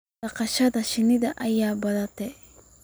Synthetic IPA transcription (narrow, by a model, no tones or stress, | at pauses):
ɐqɑʃɐðɐʃɪnɪðɐʔɐjaːbɐðɐt̪ʰɛ